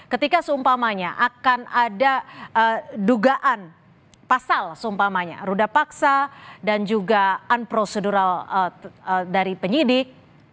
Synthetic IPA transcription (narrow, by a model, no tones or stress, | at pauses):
kət̪ikasəumpamaɲaʔakanadaʔəduɡaʔan | pasalsəumpamaɲa̰ɾudapaksadand͡ʒuɡaanpɾoseduɾaləədaɾipəɲidɪk̚